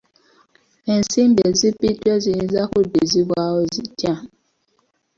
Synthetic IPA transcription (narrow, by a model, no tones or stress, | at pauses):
en̩sim̩bezipitwezin̩zakodizibʷaozitja